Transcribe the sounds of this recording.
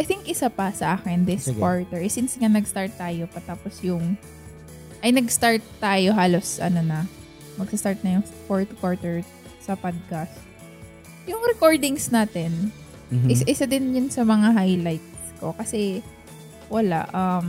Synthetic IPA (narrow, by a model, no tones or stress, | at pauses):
ʔɐjt̪ɪŋkʔɪsapɐsɐʔaːkɪnd̪ɪskwaɹt̪ɛɹʔɛsɪnsŋɐnɐɡst̪aɹt̪ːaːjo̞pɐt̪aːposjʊŋ | ʔɐjnɐɡst̪aɹt̪ːaːjo̞ɦaːlo̞sʔɐ̰nonɐ | mɐɡ̚sɐst̪aɹt̪̚nɐjʊŋfoɹt̪kwaɹt̪ɛɹ | sɐpad̪̚kɐs | jʊŋɾɛko̞ɹd̪ɪŋsnaːt̪ɛn | ʔɪsaʔɪsad̪ɪnjʊnsɐmɐŋaɦajlajt̪̚sko̞kɐsɛ | wɐla̰ʔɐm